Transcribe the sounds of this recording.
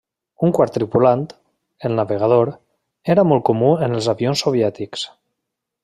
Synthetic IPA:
uŋkwaɾt̪ːɾipulant̪ | elˠnaβeɣ̞að̞oɾ | eɾamol̚ˠkomuenelˠzaβionsːoβjɛt̪iks

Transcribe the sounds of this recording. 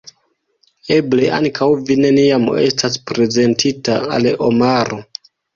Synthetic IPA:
e̞ble̞ʔa̰ŋkʰawvine̞niamestaspɾe̞ze̞ntʰitaa̰lo̞maɾo̞

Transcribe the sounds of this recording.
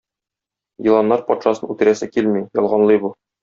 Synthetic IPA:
jɤ̆lˠɑnːɑɾpɒt̪ʃɑsɤnʉt̪ɘ̆ɾæsɘkilmijɒlˠʁɑnlˠɤjbu

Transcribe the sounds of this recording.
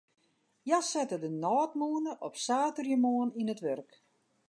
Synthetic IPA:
jasɛtədənɔːtmuənəʔɔpsaːtərjəmoəninətʋørk

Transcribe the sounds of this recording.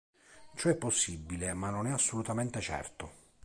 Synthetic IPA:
t͡ʃɔɛpːosːibːilemanːonɛasːolut̪ament̪et͡ʃɛ̰rt̪ʊ

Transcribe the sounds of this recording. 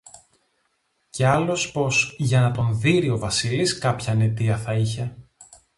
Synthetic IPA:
ce̞ɐlo̞spo̞sʝɐnɐt̪o̞nðiɾio̞vɐsiliskɐpçɐne̞t̪iɐθɐiçe̞

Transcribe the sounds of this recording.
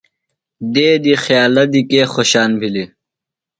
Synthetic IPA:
d̪eːd̪ixjaːlɐd̪ikeːxoɕaːnbʱili

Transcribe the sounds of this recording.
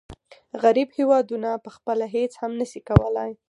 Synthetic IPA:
ɣaɾibhewɑd̪unapəxpəlaɦet͡shamnəʃikawəlaj

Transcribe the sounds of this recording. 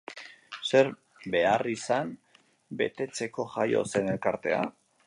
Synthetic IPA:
se̞ɾ | be̞arisam | be̞̰t̪e̞t͡se̞ko̞ʝajo̞̰se̞ne̞lkaɾt̪e̞a̰

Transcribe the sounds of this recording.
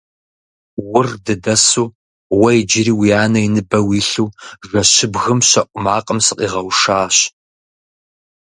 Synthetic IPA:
wʊrdɨdɐsuː | wɐid͡ʒɪɾiːwijaːnɐinɨbɐwiːɬuːʐɐɕɪbɣɨmɕɐʔʷʼʊmaːqʼəmsɨqʼiːʁɐwʂaːɕ

